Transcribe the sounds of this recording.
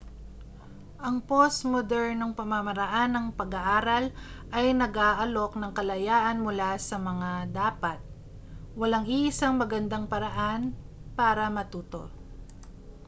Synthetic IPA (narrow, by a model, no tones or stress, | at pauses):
ʔɐŋposmod̪ɛɹnɐŋpɐmamɐɾɐʔanːɐŋpɐɡɐʔaːɾɐl | ʔɐjnɐɡaːʔɐlo̞knɐŋkɐlɐjaːʔɐnmʊlasɐmɐŋad̪aːpɐt̪̚ | wɐlaŋiʔɪsaŋmɐɡɐnd̪aŋpɐɾɐʔanpaːɾɐmɐt̪uːt̪o̞̰